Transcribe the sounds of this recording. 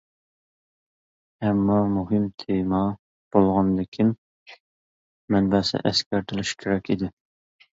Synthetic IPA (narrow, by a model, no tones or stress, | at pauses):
ɛmːɑmuɦɨmt̪ʰemɑ | b̥olˠʁɑnd̪ɪkʲʰim | ɛnbɛsɛ̰ʔɛskʲæɾt̪ʰɪlɪʃkʲʰeɾɛkʲʰid̪ɪ